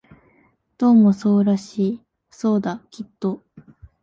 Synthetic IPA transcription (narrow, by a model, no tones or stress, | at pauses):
d̪̥o̞ːmosoːɾaɕiː | so̞ːd̪akʲit̪ːo̞